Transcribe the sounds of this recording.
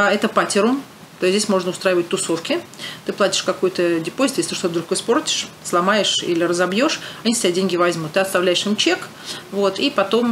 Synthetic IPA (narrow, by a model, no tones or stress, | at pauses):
ɛt̪əpatʲɪɾʊm | t̪oszʲdʲesʲmo̞ʐnəʊst̪ɾajɪvət̚ʲt̪ʊso̞fkʲɪt̪ɨplˠatʲɪ̥ʂkɐkojʊt̪ədʲɪpozʲt̪jesʲɪt̪ɨʂt̪o̞t̪əd̪ɾukɨspo̞rtʲɪ̥ʂslˠɐmajɪʂḭlʲɪrəzɐbjo̞ʂɐnʲist̪ʲɪbʲadʲenʲɡʲɪvɐzʲmut̪ːɨɐt̪st̪ɐvlʲæjɪʂɨmt͡ɕek | vo̞t̪ʰipɐt̪o̞m